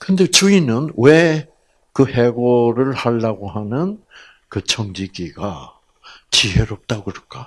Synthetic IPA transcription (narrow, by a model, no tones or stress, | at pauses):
kɯnde̞t͡ɕuinɯnwe | kɯhe̞ɡoɾɯɭhaɭːaɡoɦanɯn | kɯt͡ɕʰʌŋdiɡiɡa | t͡ɕiɦeɾʌp̚t͈aɡɯɾʌk͈a